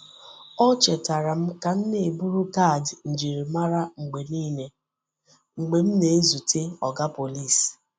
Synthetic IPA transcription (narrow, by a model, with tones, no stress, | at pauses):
ɔ˦t͡ʃe˨ta˨ɾa˨m̩˦ka˨n̩˦ne˨e˨bu˦ɾu˦ka˦˨dn̩˨d͡ʒi˨ɾi˨ma˦ɾa˦ŋ͡m̩˨ɡ͡be˨niː˦ne˦ | ŋ͡m̩˨ɡ͡be˨m̩˦ne˨e˦zu˨tʰe˦ɔ˨ɡa˦po˨li˦˨s